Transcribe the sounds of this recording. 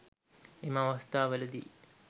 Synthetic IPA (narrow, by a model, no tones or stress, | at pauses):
eməaʋast̪aːʋələd̪ḭː